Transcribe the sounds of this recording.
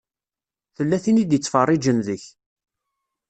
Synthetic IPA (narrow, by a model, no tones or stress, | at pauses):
θəlːæθinid̪jət͡sːfərˤːid͡ʒənðəç